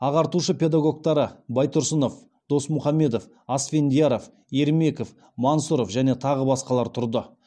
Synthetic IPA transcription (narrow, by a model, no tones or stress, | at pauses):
ɑʁɑɾt̪uʃəpʲe̞d̪aɡo̞k̚t̪ɑɾəbɑjt̪ʊɾsəno̞f | d̪̥o̞smʊχɑmːe̞d̪o̞f | ɑsfʲe̞nd̪ijaɾof | e̞ɾme̞kof | mansuɾofʒæne̞t̪ʰɑʁəbɑsqɑlˠɑɾt̪ʰʊɾd̪ə